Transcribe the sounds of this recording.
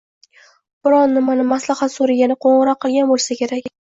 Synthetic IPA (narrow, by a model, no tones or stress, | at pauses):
b̥ɪɾɒnːɪmanɪmaslahat̪soɾaɡʲanɪqʰoɴɨɾɒqʰːɨlˠɡʲanbolˠsakʲe̞ɾakʲ